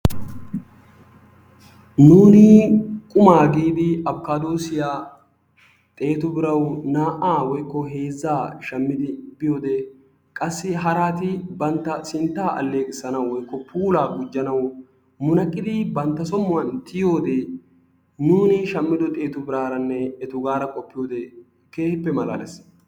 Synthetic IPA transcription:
nuːnɪkʼʊmaːɡiːd̪ɪɐbkːaːd̪oːsɪjaː | t̪ʼe̞ːt̪ʊbɪɾɐwnaːʔaːwɔjkːɔɦe̞ːzːaːʃɐmːɪd̪ɪbɪjo̞ːd̪e | kʼɐsːɪɦɐɾaːt̪ɪbɐnt̪ːɐsɪnt̪ːaːɐ̰lːe̞ːkʼɪsːɐnɐwwɔjkːɔpʰuːlaːɡʊd͡ʒːɐnɐw | mʊnɐkʼːɪd̪ɪbɐnt̪ːɐsɔmːʊwɐnt̪ɪjo̞ːd̪e | nuːnɪʃɐmːɪd̪ɔt̪ʼe̞ːt̪ʊbɪɾaːɾɐnːɛɛt̪ʊɡaːɾɐkʼɔpːɪjo̞ːd̪ɛ | ke̞ːhɪpːɛmɐla̰ːlɛs

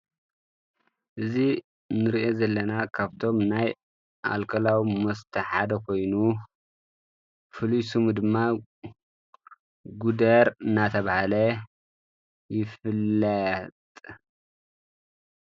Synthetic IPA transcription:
ʔɨzi | nɨɾiʔo̞zɐlːɐnakʰaβt̪ʰo̞mnaj | ʔa̰lkʰɐlawimɐst̪ʰɐħad̪ɐkʰo̞jnu | fɨlujsɨmud̪ɨmːa | ɡud̪ɐɾɨnːat̪ʰɐβahalɐ | jɪfɨlːɐt̪ʼ

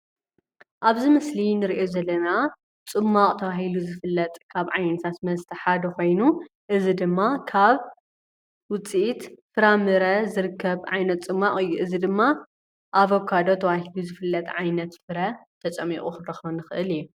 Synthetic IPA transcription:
ʔaβzimɨslinɨɾiʔozɐlːɐna | t͡sʼɨmːaqʼt̪ʰɐwahiluzɨfɨlːɐt̪ʼkʰaβʕajnɐt̪ʰat̪mɐzt̪ʰɐħad̪ɐko̞jnu | ʔɨzid̪ɨmːakʰaβ | wʊt͡sʼit̪fɨɾamɨɾɐzɨɾɨkʰːɐβʕajnɐt̪t͡sʼɨmːaχʼɨjːuʔɨzid̪ɨmːa | ʔaβokʰad̪o̞t̪ʰɐβahiluzɨfɨlːɐt̪ʼʕajnɐt̪fɨɾɐt̪ʰɐt͡sʼɐmːḭχʼuxɨdɐxɐnɨxɨʔɨliju

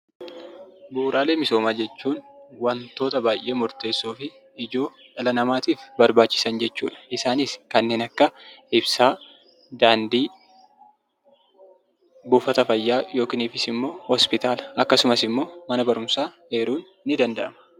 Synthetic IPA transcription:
buːɾaːle̞ːmɪso̞ːmaːd͡ʒɛt͡ʃːuːnwɐnt̪o̞ːt̪ɐbaːjʔe̞ːmʊɾt̪e̞ːsːoːfɪː | d͡ʒo̞ːᶑɐlɐnɐmaːt̪iːfbɐɾbaːt͡ʃːɪ̥sɐnd͡ʒɛt͡ʃːṵːᶑɐ̥ʔɪsaːniːskɐnːeːnɐkːɐɪbsaː | d̪aːnd̪iː | bʊːfɐt̪ɐfɐjːaːjo̞ːkɪniːfɪsɪmːo̞ːhɔspɪt̪aːlɐ̥ʔɐkːɐsʊmɐsɪmːo̞ːmɐnɐbɐɾʊmsaːhe̞ːɾuːnːɪd̪ɐnd̪ɐʔɐmɐ̥

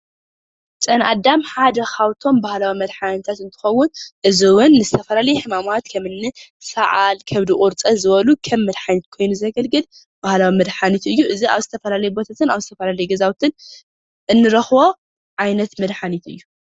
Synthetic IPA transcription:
t͡sʼɐnʔa̰d̪ːamħad̪ɐxawt̪ʰo̞mbahlawimɐd̪ħanit̪ʰat̪ɨnt̪ʰɨ̥xɐwːʊnʔɨziwʊnːɨzɨt̪ʰɐfɐlalɐjħɨmamat̪kʰɐmɨnːɨsɐʕalkʰɐβd̪ikʼʊɾt͡sʼɐzɨβɐlukʰɐmːɨd̪ħanit̪̚kʰo̞jnuzɐɡɐlɡɨl | b̥ahlawimɨd̪ħanit̪ɨjːuʔɨzia̰βzɨt̪ʰɐfɐlalɐjubo̞t̪ʰat̪ʰɨnaβzɨt̪ʰɐfɐlalɐjuɡɐzawt̪ʰɨn | ʔɨnːɨɾɐxbo̞ | ʕajnɐt̪mɨd̪ħanit̪ɨ̰jːu

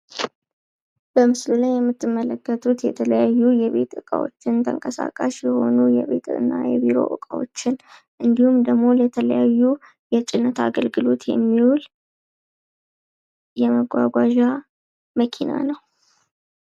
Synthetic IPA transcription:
b̥əmɨslulajːɛmːɨt̪ːɨmːələkːət̪ʰut̪jɛt̪ʰələjajːujɛβe̞t̪ɨkʼa̰wo̞̰t͡ʃːɪnt̪ʰə̰ŋkʼəsa̰kʼaʃjɛho̞nujɛβe̞t̪ɨ̰nːajɛbiɾo̞̰ʔɨ̰kʼawo̰t͡ʃːɪn | ʔɨnd̪ihumd̪əɡmo̞lət̪ʰələjajːu | jɛt͡ʃʼɪnːət̪ʰaɡəlɡɨlo̞t̪jɛ̰mːiwul | jɛməɡʷaɡʷaʒa | məkʰina̰nəw

